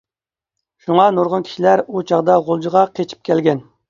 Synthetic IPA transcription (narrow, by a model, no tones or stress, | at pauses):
ʃuŋɑnoɾʁʊnkʲʰi̥ʃilæɾut͡ʃʰɑʁd̪ɑʁolˠd͡ʒiʁɑqʰet͡ʃʰi̥p̚kʲʰɛlɡʲɛn